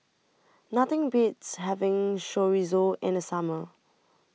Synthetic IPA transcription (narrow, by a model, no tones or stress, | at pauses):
nat̪ɪ̃ŋbitsɦɛvɪ̃ŋʃɔɹizoɪ̃nəsamə